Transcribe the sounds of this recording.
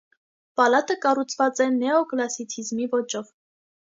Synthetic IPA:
pɑlɑt̪əkɑrut͡sʰvɑt͡sɛnɛɔklɑsit͡sʰizmivɔt͡ʃɔv

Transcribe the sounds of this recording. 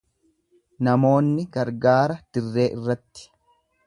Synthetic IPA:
nɐmo̞ːnːɪɡɐɾɡaːɾɐd̪̥ɪrːe̞ːʔɪrːɐt̪ːɪ̥

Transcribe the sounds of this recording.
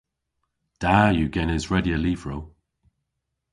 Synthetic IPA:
d̥ajəɡɛnɪzɹɛdiəliːv̥ɹow

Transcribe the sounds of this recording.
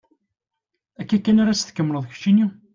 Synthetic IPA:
ækːækːænaɾæsθkːəmːɾəðˤç̥t͡ʃːini

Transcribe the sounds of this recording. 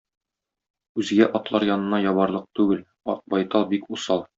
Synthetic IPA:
ʉzɡæʔɒt̪lˠɑɾjɒnɤ̆nɑjɒβɑɾlˠɤq̚t̪ʉɡɘl | ɒ̰q̚bɒjt̪ɑlˠbikusɑlˠ

